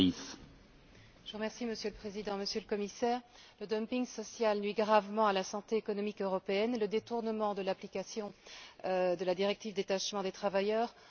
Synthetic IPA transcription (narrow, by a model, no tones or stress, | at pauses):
is | ʒ̥əʁəmɛʁsiməsjøləpχezid̪ɑ̃məsjøləkɔmisɛːʁləd̪ɔmpiŋɡsɔsjalnɥiɡʁavmɑ̃alasɑ̃t̪eːkɔnɔmikøʁɔpeɛnləd̪et̪uʁnəmɑ̃d̪əlaplikasjɔ̃ | d̪əlad̪iʁɛk̚t̪ivd̪et̪aʃmɑ̃d̪et̪χavajœːʁ